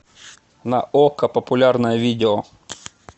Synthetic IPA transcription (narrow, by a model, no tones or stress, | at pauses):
nɐʔokɐpəpʊlʲarnəjəvʲidʲɪo